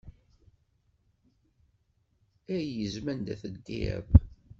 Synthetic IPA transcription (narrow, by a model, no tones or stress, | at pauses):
æjəzmænd̪æθəd̪ːḭæ̰b